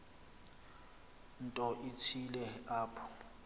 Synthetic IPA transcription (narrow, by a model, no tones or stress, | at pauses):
n̩tʼɔʔitʰilɛaːpʰɔ̥